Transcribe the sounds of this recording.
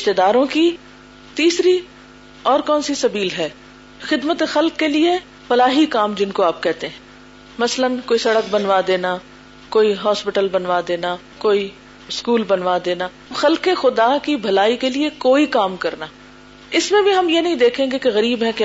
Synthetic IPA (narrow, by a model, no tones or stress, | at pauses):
ɪʃt̪eːd̪aːɾõki | t̪iːsɾi | ɔːɾkɔːnsisɐbiːlɦɛː | xɪd̪mət̪exɐlkːelie | fɐlaːɦikaːmd͡ʒɪnkoaːp̚kɛɦt̪eɦɛ̃ | mɐslənkoːisɐɽək̚bɐnʋad̪eːna | koːiɦɔːspɪʈəlbɐnʋaːd̪eːna | koːi | ɪskuːlbɐnʋad̪eːna | xɐlkexʊd̪akibʱɐlaːikeliekoːikaːmkɐɾnaː | ɪsmẽbʱiɦɐmjenɐɦĩd̪eːkʰẽːŋɡekeɣɐɾiːbɦɛke